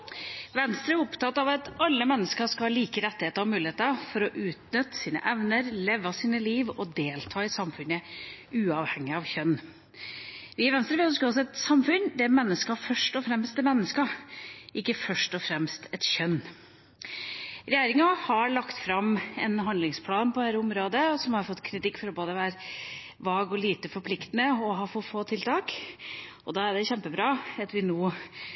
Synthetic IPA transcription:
ʋɛnst̪ɾəæʊpt̪ʰɑt̪ːɑʋɑt̪ɑlːəmɛnːəskəʂkɑhɑliːkəɾɛt̪ːɪheːt̪əɾɑmʉːlɪheːt̪əɑfɔɾɔʔʉːt̪nʏt̪ːsiːnə̰ʔɛʋnəɾleːʋɑsiːnəliːʋɔd̪eːlt̪ʰɑːɪsɑmfʉnəʉːɑʋhɛŋːɪɑʋçœnː | ʋɪʋɛnst̪ɾəʋɪːɔskɑsɔɛt̪sɑmfʉnd̪ɛmɛnːəskɑfœʂʈɔfɾɛmst̪ɛmɛnːəskɑʔɪkːəfœʂʈɔfɾɛmst̪ʰɛt̪çœnː | ɾɛjeːɾɪŋɑhɑɭɑkt̪fɾɑmɛnɦɑnd̪lɪŋspʰlɑːnpʰɔæːɾəʊmɾoːd̪əɔsɔmhɑɾfɔt̪ːkʰɾɪt̪ɪkːfɔɾɔboːd̪əʋæːɾ | ʋɑːɡɔliːt̪əfɔɾpʰlɪkt̪ənəɔɦɑːfɔfoːt̪ʰɪlt̪ʰɑːk | ɔd̪ɑːæɖɛçɛmpəbɾɑːɑt̪ʋɪnoː

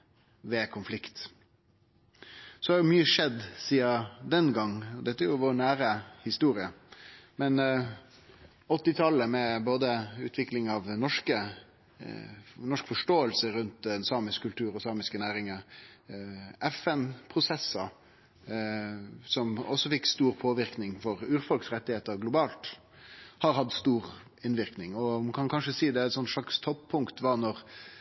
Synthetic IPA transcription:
ʋɛkʰʊnflɪkt̪ | sɔhɑɾjʊmyːəʂɛd̪siːɑd̪ɛnɡɑŋːɔd̪ɛt̪ːəæɾjʊʋoːnæːɾəhɪst̪uːɾɪəmɛn | ɔt̪ːɪt̪ʰɑlːəmɛboːd̪əʉ̰ːt̪ʰʋɪklɪŋɑʋnɔʂkə | nɔʂkfɔʂʈoːəlsəɾʉnt̪d̪ɛnsɑːmɪskkʰːʉlt̪ʰʉːɾɔsɑːmɪskənæːɾɪŋə | ʔɛfɛnpʰɾʊsɛsːɑ | sɔmɔsːɔfɪkːst̪uːɾpʰoːʋɪʁknɪŋfɔɾʉːɾfɔlksɾɛt̪ːɪheːt̪əɾɡlʊbɑːlt̪ | hɑɾhɑd̪st̪uːɾ | ɪnʋɪʁknɪŋɔmɑkʰɑnkʰɑnʂəsiːd̪ɛæt̪sɔnːʂɭɑkst̪ʰɔppʰːʊŋkt̪ʋɑnɔɾ

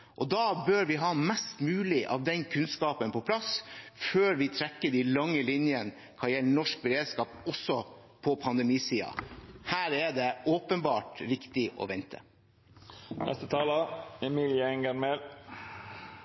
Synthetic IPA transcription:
ʔɔd̪ɑːbøːɾʋɪɦɑːmɛst̪mʉːlɪʔɑ̰ːʋd̪ɛnkʰʉnskɑːpənpʰɔpʰlɑsføːɾʋɪt̪ʰɾɛkːəɖilɑŋːəlɪnjən | kʰɑjɛlːəɳɔʂk̚bəɾeːd̪skɑːpɔsːɔpʰɔpʰɑnd̪ɛmiːsiːɑ̰hæːɾɛɖ̪ɛoːpənbɑːʈʋɪkt̪ɪʔɔ̰ʋɛnt̪ʰə̰ | nʔɛ̰st̪ət̪ʰɑːləɛmiljəɛŋɡəɾmel

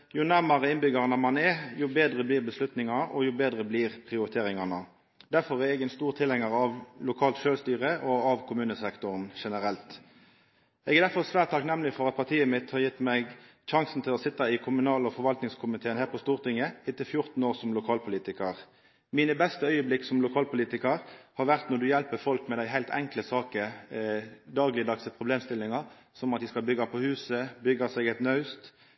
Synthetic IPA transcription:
jʊnæʁmɑʁəɪnbʏɡɑʁənəmɑnɛjʊbeːd̪ʁəbliːʁbəslʉt̪nɪŋɑnəʔɔjʊbeːd̪ʁəbliːʁpʰʁɪʊɾɪt̪ʰeːʁɪŋɑnə | d̪̥æʁfɔʁɛɛɡɛnst̪uːʁt̪ʰɪlhɛŋɑʁɑʋlʊkʰɑːlt̪ʃøːlst̪yːʁəʔɔɑʋkʰʊmʉːnəsɛkt̪ʊʁnʃɛnəʁɛlt̪ | ɛɡɛʁd̪æɾfɔʁsʋæːʁt̪ʰːɑknɛmːlɪfɔʁɑt̪̚pʰɑʁt̪ʰiːəmɪt̪hɑɾjɪt̪ːmɛɡ | ʃɑŋsn̩t̪ʰɪlɔsɪt̪ːɑɪkʰʊmʉnɑːlɔfɔɾʋɑlt̪nɪŋskʰʊmɪt̪ʰeːənhæːʁpʰɔst̪uːʁt̪ʰɪŋːəɪt̪ːɪfjʊʁt̪n̩oːʁsɔmlʊkʰɑːlpʰʊliːt̪ɪkəʁ | miːnəbɛst̪əœʏəblɪksɔmlʊkʰɑːlpʊliːt̪ɪkəʁhɑɾʋæʁt̪nɔɾd̪ʉjɛlpəfɔlkmɛd̪æɪɦæɪt̪ʰɛ̰ŋkləsɑːkə | d̪ɑːɡlɪd̪ɑksəpʰʁʊbleːmst̪ɪlːɪŋɑʁ | sɔmɑt̪jæɪskɑlbʏɡːɑpʰɔhʉːsəbʏɡːɑsɛɡɛt̪nɑʉst̪

